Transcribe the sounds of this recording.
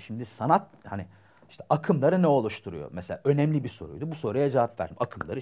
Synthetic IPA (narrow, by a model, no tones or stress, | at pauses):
ʃimd̪isanat̪̚hanɪ | iʃt̪ʰɛʔakʰɯmlˠaɾɯnɛo̞lˠuʃt̪ʰuɾṵjo̰mɛselʲaːʔø̞nɛmlʲibiso̞̰ɾṵjd̪ubuso̞ɾujad͡ʒavapvæ̰ɾd̪imakʰɯmlˠaɾɯ